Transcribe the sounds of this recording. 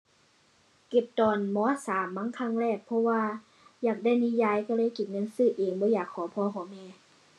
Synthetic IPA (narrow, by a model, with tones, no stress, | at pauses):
ke˨˩p̚t̪ɔː˨˩nmɔː˧˥saː˨˦mːaː˧˥ŋkʰa˧˥˨ŋɾɛː˧˩k̚pʰɔ˧waː˧ | jaː˨˩k̚da˧˥˩jni˧˥˨jaː˧˨jkaː˧˩lɤː˧˥˨jki˨˩t̪̚ŋɤ˧˥˨nsɯː˧˩˨ʔeː˨˩ŋbɔː˧˦jaː˨˩kʰːɔː˨˦pʰɔː˧˦kʰɔː˨˦mɛː˧˨